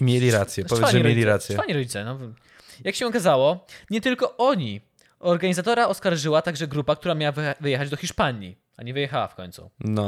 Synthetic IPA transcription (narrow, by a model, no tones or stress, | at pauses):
imʲjelʲiɾat̪sʲjɛɔvjɛfɲʐɛmjelʲiɾat̪sjɛfaɲiɾɔd͡ʑit̪sɛnɔv | jakɕɛɔkazawɔɲɛt̪ɘlkɔʔɔɲi | ɔɾɡaɲizat̪ɔɾaɔskaɾʐɘwat̪aɡʐɛɡɾupak̚t̪uɾamʲawavvɘjɛxad͡ʑd̪ɔxʲiʂpaɲḭ | aɲɛvɘjɛxawa̰fkɔ̰ɲʲt̪sṵnɔ